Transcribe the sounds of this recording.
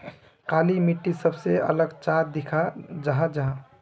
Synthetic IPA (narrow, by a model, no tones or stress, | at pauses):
kaːlimiʈːisəbseɐ̰ləɡt͡ʃaɾ̚d̪ɪkʰad͡ʒəɦãd͡ʒɐɦã